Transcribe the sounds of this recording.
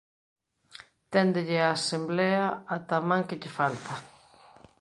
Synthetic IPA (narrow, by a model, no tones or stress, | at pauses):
t̪ɛnd̪ɪʎɪaːsemblɛaːt̪amãŋkɪʎɪfalt̪ɐ